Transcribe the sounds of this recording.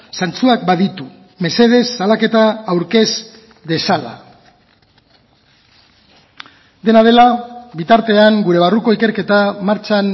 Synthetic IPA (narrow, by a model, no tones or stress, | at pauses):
sant͡suak̚baðit̪u | me̞se̞ð̞e̞sːalake̞t̪aːwɾke̞s | de̞sala̰ | d̪e̞nað̞e̞laβit̪aɾt̪e̞aŋɡuɾe̞β̞aruko̞ike̞ɾke̞t̪amaɾt͡ʃan